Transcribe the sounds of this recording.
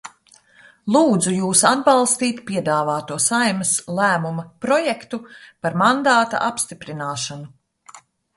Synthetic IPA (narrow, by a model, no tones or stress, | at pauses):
lˠuːd̪zujuːsad̪̚bɑlˠst̪iːt̪pʲiɛd̪aːvaːt̪uɔsajmɐslˠæːmumɐpɾɔjɛkt̪upaɾmand̪aːt̪a̰ʔapst̪ipɾinaːʃanu